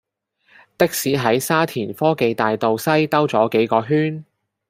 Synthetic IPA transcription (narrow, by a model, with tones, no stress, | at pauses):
t̪ɪ˥k̚siː˨˥ɦɐ˨˥jsaː˥t̪ʰiː˨˩nfɔː˥ke˨jt̪aː˨jt̪o˨wsɐ˥jt̪ɐ˥wt͡sɔː˨˥ke˨˥jkɔː˧ɦyː˥n